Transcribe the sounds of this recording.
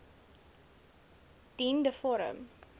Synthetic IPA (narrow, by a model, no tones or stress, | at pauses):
d̥indəfɔɾə̰m